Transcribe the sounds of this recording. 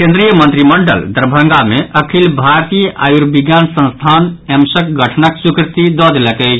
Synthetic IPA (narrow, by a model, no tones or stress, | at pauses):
kẽnd̪ɾijəmənt̪ɾiməɳɖə̰ld̪əɾbʱəŋɡameʔəkʰilbʱaɾt̪ijəʔa̰juɾbiɡjansə̃nst̪ʰanemsəkɡʱəʈʰnəksukɾit̪id̪ɔd̪eləkɛj